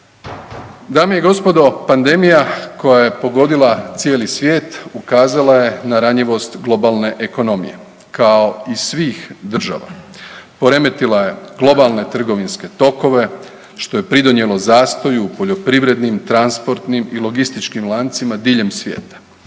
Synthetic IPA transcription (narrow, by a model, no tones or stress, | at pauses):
d̪aːmejeɡo̞spo̞d̪o̞pand̪e̞mijako̞jaje̞po̞ɡo̞d̪ilˠat̪sjeːlisʋje̞ːt̪ukaːzalˠaje̞naɾaɲiʋo̞st̪ɡlˠo̞balˠne̞ʔeko̞no̞mḭje̞̰ | kao̞isʋiːxd̪r̩ʒa̰ʋa̰po̞ɾe̞me̞t̪ilˠaje̞ɡ̥lˠo̞balˠne̞t̪r̩ɡo̞ʋinske̞t̪o̞ko̞ʋe̞ | ʃt̪o̞je̞pɾid̪o̞nje̞lˠo̞zaːst̪o̞juːpo̞ʎo̞pɾiʋɾe̞d̪nimt̪ɾanspo̞ɾt̪nimilˠo̞ɡist̪it͡ʃkimlˠaːnt̪simad̪iːʎe̞msʋjḛːt̪ḁ